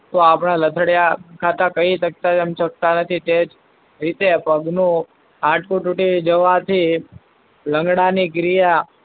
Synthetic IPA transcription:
t̪oapɳ̃alət̪ʰəɽjakʰat̪ãkəit̪ək̚t̪ad͡ʒəmt͡ʃək̚t̪anət̪ʰit̪ed͡ʒ | ɾit̪epəɡnũ | ãʈʰkuʈuʈid͡ʒəʋat̪ʰi | ləŋɡɽaniɡɾija

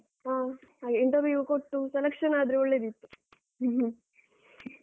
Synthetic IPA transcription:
ɦaːɦaːɡeiɳʈɐɾʋjukoʈːuselɐkʂɐnaːd̪ɾiɔɭːeːd̪it̪ːu̥

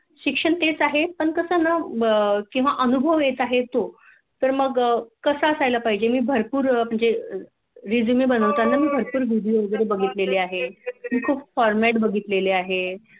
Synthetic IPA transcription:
ɕikʂəɳt̪et͡saɦepəɳkəsəːna | kĩw̃ʋaʔənubʱəʋjet͡saɦet̪o | t̪əɾməɡkəsəəsajlapaɦid͡ʑemiːbʱəɾpuːɾməɳd͡ze | ɾid͡zumibənəʋt̪anamiːbʱəɾpuːɾʋiɽioɡəɾebəɡʱit̪leleaɦemiːkʰuːpfɔɾmæʈbəɡʱit̪leleaɦe

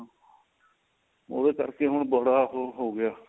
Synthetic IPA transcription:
o̰ːdeːkə̰ɾkeːɦʊɳbəɽaːɦɦoːɡɪjaː

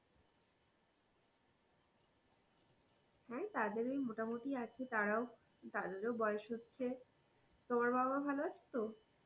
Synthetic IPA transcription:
hɛt̪ad̪eɾejmoʈamoʈiat͡ɕʰet̪aɾao | t̪ad̪eɾobɔeoʃɦotːɕʰe | t̪omaɾbababʱaloat͡ɕʰe̥t̪o

